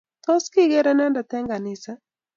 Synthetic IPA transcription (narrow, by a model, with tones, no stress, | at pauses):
t̪ɔ˦ski˦ɡɛ˦ɾɛ˦nɛ˦nda˨t̪ɛ˦ŋɡa˨nɪ˨sa˦